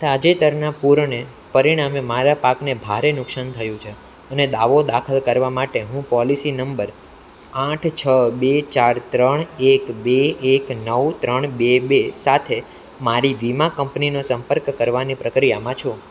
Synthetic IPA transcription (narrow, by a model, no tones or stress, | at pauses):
sad͡ʒet̪əɾnapuɾɳe | pəɾiɽ̃amemaɾapaknebʱa̰ɾenʊksant̪ʰəjũt͡ʃʰe | əned̪aʋod̪akʰəlkəɾʋamaʈeɦũpɔlisinəmbəɾ | ãʈʰt͡ʃʰəbet͡ʃaɾt̪ɾəɳekbeːknəwt̪ɾəɳbebesat̪ʰe | maɾiʋimakəmpninosəmpəɾkːəɾʋanipɾəkɾijamãt͡ʃʰũ